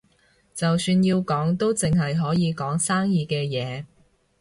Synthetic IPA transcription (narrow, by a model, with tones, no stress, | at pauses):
t͡sɐ˨wsyː˧nji˧wkɔː˨˥ŋt̪o˥wt͡sɪ˨ŋɦɐ˨jɦɔː˨˥jiː˨˧kɔː˨˥ŋsaː˥ŋjiː˨˧kɛː˧jɛː˨˧